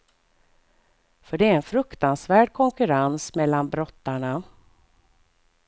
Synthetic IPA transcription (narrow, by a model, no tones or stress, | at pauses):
fœɖɛæɾɛnfɾɵkt̪ansvæːɖkʰɔŋkɵɾansmɛlːanbɾɔt̪ːaɳa